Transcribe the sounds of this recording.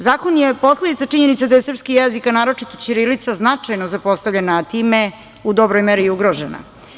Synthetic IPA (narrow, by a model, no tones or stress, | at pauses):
zaːko̞njepo̞sled̪it̪sat͡ʂiɲenit̪sad̪ajesr̩pskijezikanaːɾo̞t͡ʂit̪ot͡ɕiɾilit̪saznat͡ʂajno̞zapo̞st̪avʎenaːt̪iːme | ud̪o̞bɾojmeɾiuɡɾo̞ʒena̰